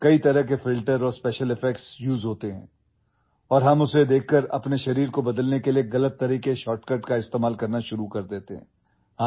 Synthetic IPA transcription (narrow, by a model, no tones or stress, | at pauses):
kɐit̪ɐɾəɦkefɪlʈəɾɔːɾspɛːʃəlɪfɛk̚ʈsjuːzɦoːt̪eɦɛ̰̃ː | ɔːɾɦɐmʊsed̪eːkʰkəɾɐ̰pneʃɐɾiːɾkobɐd̪əlnekelieɣɐlət̪ːɐɾiːkeʃɔːʈkɐɾʈkaɪst̪eːmaːlkɐɾnaʃʊɾukɐɾd̪eːt̪eɦɛ̃ː | aː